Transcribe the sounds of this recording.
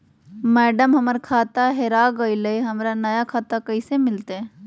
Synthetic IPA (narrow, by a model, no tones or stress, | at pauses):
mɛːɖəmɦɐməɾkʰaːt̪aɦeɾaːɡɐilɐiɦɐmɾanɐjakʰaːt̪akɐisemɪlt̪e